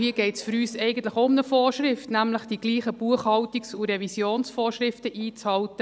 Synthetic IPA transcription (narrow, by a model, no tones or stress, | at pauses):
hiəɡ̥ɛɪtsfʏɾyːsɛɪɡən̩t̪ləχoʊmnəfoːrʃɾɪftnæmləχd̥iɡ̥liːχəb̥uəχhɑwtiksuɾɛvisjoːnsfɔːrʃɾɪftəʔiːt͡shɑltə